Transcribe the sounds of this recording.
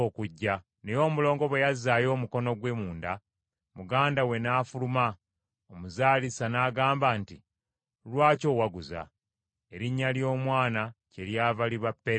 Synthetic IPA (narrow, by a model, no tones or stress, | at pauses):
okuɟːa | nejo̞ːmulo̞ːŋɡo̞βwe̞jazːaːjo̞ːmuko̞no̞ɡwe̞ːmuːnda | muɡaːndawe̞naːfuluma | omuzaːlisanaːɡaːmbaːnti | lwaːco̞waɡuza̰ | e̞ɾiɲːaljo̞ːmwaːnace̞ɾjaːvaliβapːe